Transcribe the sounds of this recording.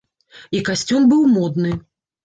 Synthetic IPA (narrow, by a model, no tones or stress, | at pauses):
ikasʲt͡sʲunbɨwmɔd̪nɨ